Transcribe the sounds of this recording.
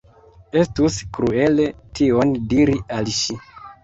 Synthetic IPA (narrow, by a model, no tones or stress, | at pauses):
e̞stuskɾue̞le̞tʰio̞ndiɾialʃi